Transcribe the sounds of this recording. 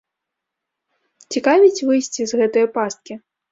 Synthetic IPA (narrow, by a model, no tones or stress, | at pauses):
t͡sʲikavʲit͡sʲvɨjsʲt͡sʲizɣɛt̪ɨjɐpast̪̚kʲi